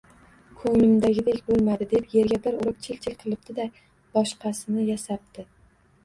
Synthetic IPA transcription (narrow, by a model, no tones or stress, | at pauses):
kʰɵŋlɪmd̪aɡʲɪd̪e̞kʲbolˠmad̪ɪd̪epje̞ɾɡʲabɪɾʊɾɨq̚t͡ʃʰelt͡ʃʰɪlʲqʰɨlˠɪp̚d̪ɪd̪a | b̥ɒʃqʰɑsɪnɪjasap̚t̪ɪ